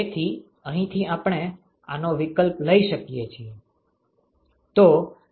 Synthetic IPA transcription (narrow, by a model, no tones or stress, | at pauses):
et̪ʰi | əɦĩt̪ʰiapɳ̃e | a̰noʋɪkəlpləiʃəkijet͡ʃʰie | t̪o